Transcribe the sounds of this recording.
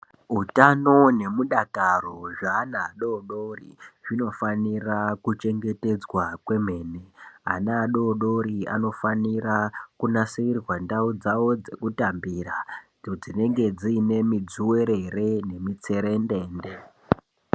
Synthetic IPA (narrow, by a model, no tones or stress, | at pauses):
ɦutano̞ne̞muɗakaroʐaːnaɗo̞ɗorḭʐino̞fanirakut͡ʃe̞ŋɡe̞te̞d͡zwakwe̞m̤e̞ːne̞a̰naːɗo̞ɗo̞ɾia̰no̞fanirakunaseirwandaud͡zawo̞d͡zekutambiɾa | d͡zine̞ŋɡe̞d͡ziːne̞mid͡zuwe̞ɾere̞ne̞mit͡se̞ɾende̞ːnde̞